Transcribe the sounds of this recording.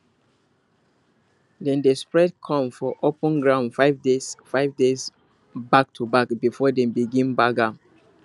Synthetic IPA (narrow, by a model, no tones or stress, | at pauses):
dɛ̃ndespɹɛd̚kʰɔ̃mfɔʔopɔ̃nɡɹãʊ̃nfaɪvdesfaɪvdez | bak̚tʰubakbifɔdɛ̃mbiɡĩnbaɡãn